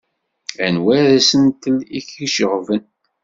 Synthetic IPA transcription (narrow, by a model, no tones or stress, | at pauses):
ænwæðæsənt̪əliçiʃəʁvən